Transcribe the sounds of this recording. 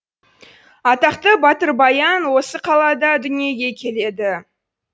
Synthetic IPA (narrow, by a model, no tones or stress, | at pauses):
ɑt̪ɑqt̪əbɑt̪əɾbɑjɑnwo̞səqʰɑlˠɑd̪ɑd̪ʏnije̞ɡʲe̞kʲʰe̞le̞d̪ɪ